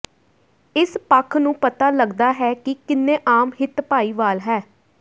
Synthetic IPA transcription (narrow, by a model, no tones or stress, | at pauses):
ɪspəkʰnũːpət̪aːləɡd̪aːɦɛːkɪkɪnːeːʔaːmɦɪt̪paːiːʋaːlɦɛː